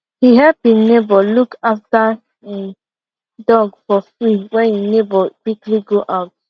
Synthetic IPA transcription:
hiɦɛlpinebɔlukafta | e | dɔɡfɔfliwɛninebɔkwikliɡoʔaʊt̚

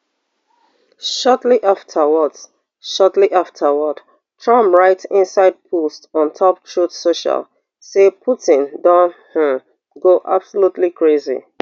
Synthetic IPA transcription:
ʃɔtliʔaftʰəwɔt | ʃɔtliʔaftʰəwɔt | tʰɹʌ̃mpɹaɪtɪ̃nsaɪd̚pʰostɔ̃ntʰɔp̚tʰɹutsoʃa̰l | sepʰutɪ̃ndãnh̩ | ɡoʔa̰b̥solutlikʰɹezḭ

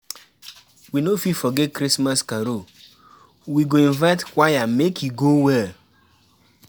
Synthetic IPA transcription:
winofifɔɡɛt̚kɾismaskaɾo | wiɡoĩnvaɪtkwajamekiɡowɛl

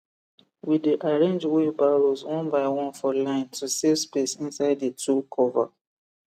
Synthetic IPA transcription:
wideʔaɹẽnd͡ʒwebaɹozwɔ̃nbaɪwɔ̃nfɔlãɪ̃ntʰusevspesĩnsaɪdetʰukʰɔva̰

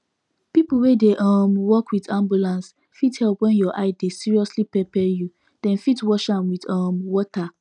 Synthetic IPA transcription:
pipl̩wedeʔamwɔkwidãmbjulãns | fithɛlˠpwɛ̃njɔʔaɪdesiɹiɔslipɛpɛju | d̥ɛ̃nfitwɔʃãmwiðɔmwɔta

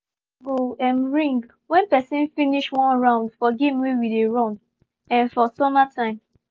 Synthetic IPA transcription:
ɡoɛ̃mɹĩŋɡ | wɛ̃npɛsĩnfiniʃwɔ̃nɹãʊ̃ndfɔɡẽmwewideɹɔ̃n | ɛ̃nfɔsɔmatʰãɪ̃m

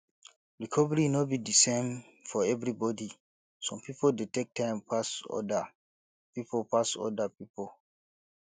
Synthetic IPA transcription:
ɹikʰɔvɛɹinɔt̚bidisẽm | fɔɛvɹibɔdi | sɔ̃mpipoldetek̚tʰãɪ̃mpʰasɔ̰da | pipopasɔ̰dapipol

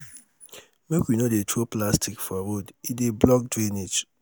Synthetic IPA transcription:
mekwinodetʰoplastʰikfɔɾodideblɔk̚dɾened͡ʒ

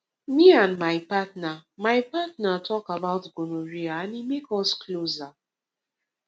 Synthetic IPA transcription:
miãndmaɪpatnamaɪpatnatʰɔkabaʊtɡonoɹiaanimekɔskloza

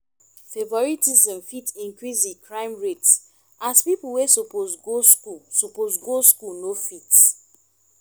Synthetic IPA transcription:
fevɔɹitizɛ̃mfitĩŋkɹizikʰɹãɪ̃mɹets | aspipuwesopozɡoskusupozɡoskulnofit

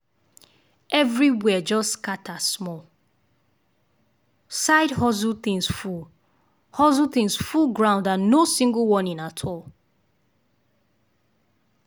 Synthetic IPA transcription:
ɛvɹiwɛd͡ʒɔskatasmɔl | saɪdhɔzuθĩŋsful | hɔzuθĩŋsfulɡɹãʊ̃ndanosĩŋɡəlˠwɔ̃nĩnatʰɔlˠ

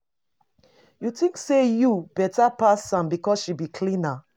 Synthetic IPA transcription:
jutĩŋksejubɛtapasːãmbikɔsʃibikʰlĩna

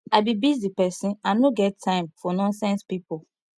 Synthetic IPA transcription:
aɪbibizipɛsĩnãnoɡɛttʰãɪ̃mfɔnɔ̃nsɛ̃nspipol

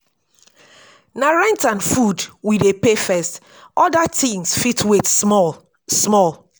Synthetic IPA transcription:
naɹɛ̃ntãnfudwidepefɛst | ɔdatĩŋsfitʰwet | smɔlˠ

